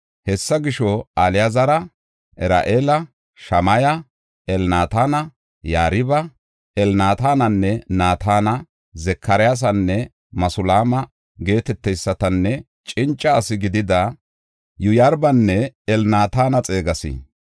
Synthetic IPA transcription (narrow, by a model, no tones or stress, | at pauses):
hɛsːɐɡɪʃɔalɪjazɐɾɐ | ʔɛɾa̰ːʔeːlɐ | ʃɐmɐjɐ | ɛlnaːt̪aːnɐ | jaːɾɪbɐ | ʔɛlnaːt̪aːnɐnːɛnaːt̪ʰaːnɐ | zɛkʰːɐɾɪjas̬ɐnːɛ | mɐsʊlaːmɐ | ɡe̞ːt̪ɛt̪ːɛjsːɐt̪ɐnːɛ | t͡ʃʼɪnt͡ʃʼːɐːsɪɡɪd̪ɪd̪ɐ | jʊjaɾbɐnːɛɛlnaːt̪aːnɐt͡sʼe̞ːɡɐsḭ